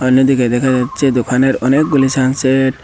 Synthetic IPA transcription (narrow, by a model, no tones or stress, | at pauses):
ɔnːod̪iked̪ɛkʰad͡ʒatːt͡ʃʰed̪okʰaneɾɔnek̚ɡulisanseʈ